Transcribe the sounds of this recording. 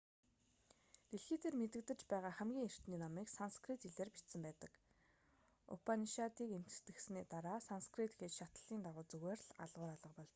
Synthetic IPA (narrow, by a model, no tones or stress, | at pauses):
t̪eɮxiːt̪ʰeːrmet̪ɘ̆k̚t̪ɘ̆t͡ɕpæːʁaːχæmɡʲiːŋer̥t̪niːnɔmiːksanskrit̪iɮeːrpi̥t̪sɘ̆mpæːt̪ə̆k | ʊ̰pʰaniʃat̪iːkem̥t̪̆t̪ɘ̆xsniːt̪aɾaːsanskrit̪xet͡ɕʃat̪ə̥̆ɮiːnt̪aʁʊːt͡sɵɣeːrɮa̰ɮʁʊːɾaɮə̆qpɔɮt͡ɕ̪